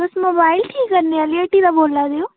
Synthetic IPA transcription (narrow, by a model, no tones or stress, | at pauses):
ʊsmoːbaːɪlʈʰiːkːəɾneaːlieːʈiːd̪aboːlːaːd̪eoː